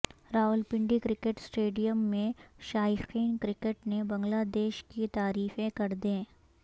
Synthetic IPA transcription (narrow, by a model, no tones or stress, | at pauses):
ɾaːʊlpɪ̃ɳɖikɾɪkeʈsʈeːɖijəmːẽʃaːjɪqiːnkɾɪkeʈnebɐ̃ŋɡlaːd̪eːʃkit̪aːɾiːfẽkɐɾd̪ẽː